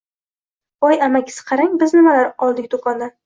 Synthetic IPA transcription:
ɒjamakʲʰɪ̥sɪ̥qʰɑɾaŋbɪznɪmalaɾqɒlˠd̪ɪk̚ʲd̪okʰɒnd̪a

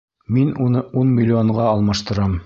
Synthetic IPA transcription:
minunɤunmʲɪlʲːoɴʁɑːlˠmɑʃt̪ɤ̆ɾɑm

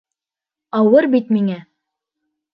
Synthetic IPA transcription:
ɑwɤɾbit̪miŋæ

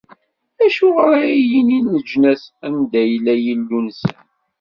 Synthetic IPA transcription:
æʃʊʁɾaijininəd͡ʒnæsænd̪æjəlːæjəlːunsə̰n

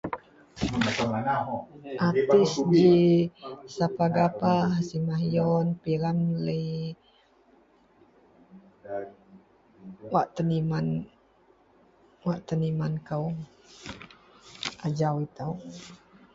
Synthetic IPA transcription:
əanaɦʔat̪isd͡ʒi | sapaɡapasimaɦjɔnpiɾanlə | waʔt̪əniman | waʔt̪ənimankəw | ad͡ʒawit̪əw

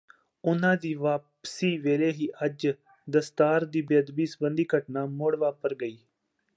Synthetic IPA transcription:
ʊnãːd̪iːʋaːpsiːʋeːleːɦiːʔəd͡ʒ | d̪əst̪aːɾd̪iːbed̪biːsəbənd̪iːkəʈnaːmoːɽʋaːpəɾɡəiː

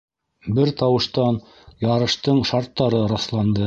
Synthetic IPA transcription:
bɘɾt̪ɑwɤ̆ʃt̪ɑn | jɑɾɤ̆ʃt̪ɤɴʃɑɾt̪ːɑɾɤɾɑslˠɑnd̪ɤ

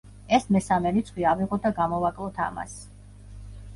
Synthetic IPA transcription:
ɛsmɛsamɛɾit̪sχwiaviʁɔt̪̚d̪aɡamɔvakʼlˠɔt̪ʰa̰ma̰s

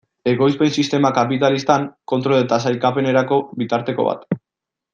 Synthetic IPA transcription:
e̞ɣo̞jspe̞nsist̪e̞makapit̪alist̪aŋko̞nt̪ɾolet̪asajkape̞ne̞ɾako̞βit̪aɾt̪e̞koβa̰t̪

